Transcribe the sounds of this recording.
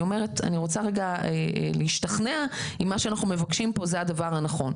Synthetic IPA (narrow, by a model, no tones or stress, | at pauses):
ome̞ʁeta̰niʁo̞t͡saʁeɡaḛleiʃtɐχneaimːaʃeanaχnume̞vakʃimpo̞zeadavaʁhanaχo̞n